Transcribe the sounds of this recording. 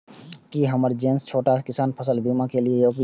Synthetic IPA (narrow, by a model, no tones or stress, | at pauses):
kiɦəməɾd͡ʒẽːnst͡ʃʰoːʈakɪsaːnpʰəsəlbimakeliejoːk